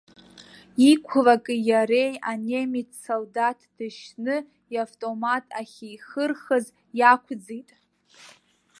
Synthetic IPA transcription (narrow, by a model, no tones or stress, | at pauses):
ikʷʰlakʼɨjaɾe̞jane̞mitʰsoldatʰd̥ɨʃnɨ | iaftʼo̞matʼaχʲiχərχəz | jakʷʰd͡zitʼ